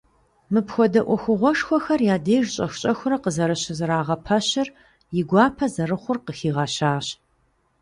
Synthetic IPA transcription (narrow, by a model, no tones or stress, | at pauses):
mɨpxʷɔdɐʔʷɔxʷʊʁʷɔʂxʷɔxɐrjaːdeːʒɕʼɐxʷɕʼɐxʷʊɾɐqəzɐɾɨɕɪzɨɾaːʁɐpʰɐɕɪr | jɪɡʷɑːpʰɐzɐrɨχʷʊrqəxiːʁɐɕaːɕ